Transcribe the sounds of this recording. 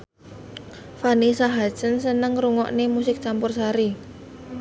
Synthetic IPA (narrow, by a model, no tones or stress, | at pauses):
fanisaɦḁt͡ʃənsənəŋɾuŋɔ̰ʔnemusɪk̚t͡ʃampʊrsaɾi